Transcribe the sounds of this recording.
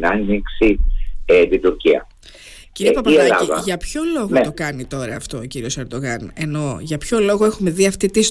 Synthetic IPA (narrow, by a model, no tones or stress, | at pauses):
nɐniksiet̪id̪uɾciɐ̰ | ciɾiepɐpɐɐlɐiðɐʝɐpço̞lo̞ɣoet̪o̞kɐnit̪o̞ɾɐːft̪o̞ociɾio̞se̞ɾd̪oɣɐne̞no̞ʝɐpço̞lo̞ɣo̞e̞xume̞ðiɐft̪it̪is